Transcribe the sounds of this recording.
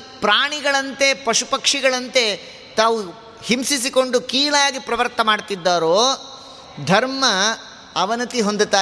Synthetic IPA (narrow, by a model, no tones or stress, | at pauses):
pɾaːɳiɡɐɭɐnt̪e̞pɐʃupɐkʂiɡɐɭɐnt̪e̞ | t̪aːʋu | himsis̬iko̞ɳɖukiːlɐjaːɡipɾɐʋɐɾt̪ɐmaːɖt̪id̪ːaːɾoː | d̪ʱɐɾmɐ | ɐʋɐnɐt̪iɦond̪ut̪aː